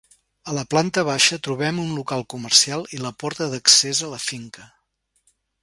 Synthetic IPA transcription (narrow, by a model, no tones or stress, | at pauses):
ələplant̪əβ̞aʃət̪ɾuβɛmunlukalˠkumərsialˠiləpɔɾt̪əðəksezələfiŋkə